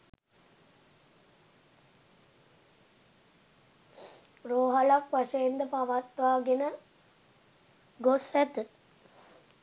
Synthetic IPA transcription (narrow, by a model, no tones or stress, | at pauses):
roːɦalakʋaʂəjend̪əpaʋat̪ʋaːɡenə | ɡosæt̪ɨ